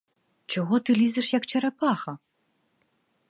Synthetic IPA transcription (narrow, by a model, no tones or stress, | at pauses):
t͡ʃɔɣɔt̪ɨlʲizɨʂjɐkt͡ʃɛɾɛpaxɐ